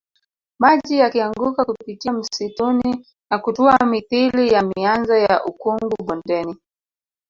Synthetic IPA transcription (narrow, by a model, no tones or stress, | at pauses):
maʄijakiaŋɡukakupitiam̩situni | nakutuamiθilijamianzɔjaʔukuŋɡuɓɔndɛni